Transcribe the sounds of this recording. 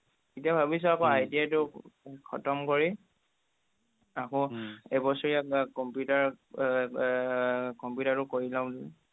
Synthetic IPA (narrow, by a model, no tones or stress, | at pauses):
kitiabʱabis̬ɔakɔ̃ajtiatʊkʰɔ̰tɔmkɔɹi | akɔ̃ɛbɔsɔɹiakɔmpjutaɹ | kɔmpjutaɹtʊkoɹilaʊ̃dʊ